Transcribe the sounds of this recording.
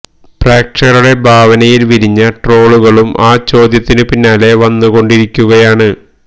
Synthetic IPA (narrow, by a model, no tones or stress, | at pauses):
preːkʂɐruɽe̞bʱaːʋɐnɐjilʋiɾiɲːɐʈro̞ːɭuɣɐɭumʔaːt͡ɕo̞ːd̪jɐt̪ːinɨpinːaːle̞ʋɐnːuɣo̞ɳɖiɾikʲːuɣɐjaːɳɨ